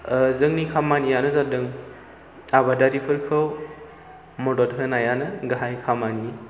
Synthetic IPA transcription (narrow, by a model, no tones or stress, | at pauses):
zɯŋnikʰamanijanɯzadɯŋ | abadaɾipʰɯɾkʰɯw | mɔdɔt̚ɦɯnajanɯɡaɦajkʰamani